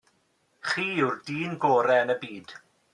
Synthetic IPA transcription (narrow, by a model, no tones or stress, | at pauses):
χiːʊrdiːnɡoːɾɛənəbiːd̥